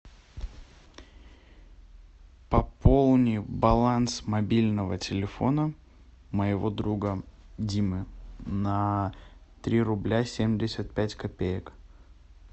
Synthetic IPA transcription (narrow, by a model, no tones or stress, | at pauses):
pɐpʰolˠnʲɪjbɐlˠansmɐbʲilʲnəvətʲɪlʲɪfo̞nə | məjɪvo̞d̪ɾuɡədʲimɨnɐ | t̪ɾʲiɾʊblʲasʲemʲdʲɪsʲət̪̚pʲætʲkɐpʲejək